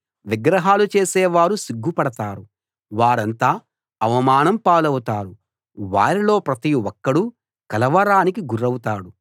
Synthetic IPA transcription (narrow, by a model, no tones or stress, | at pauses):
ʋiɡɾɐɦaːlut͡ʃe̞ːsɛːʋaːɾusiɡːupɐɽɐt̪aːɾu | ʋaːɾɐnt̪aː | ɐʋɐmaːnɐmpaːlɐwut̪aːɾu | ʋa̰ːɾilo̞ːpɾɐt̪iwɔkːɐɽu | kɐlɐʋɐɾaːnikiɡuɾɐwut̪aːɽu